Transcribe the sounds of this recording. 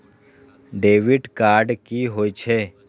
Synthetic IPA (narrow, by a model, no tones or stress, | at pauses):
ɖeːʋɪɖkaːɾɖkiɦoːit͡ʃʰe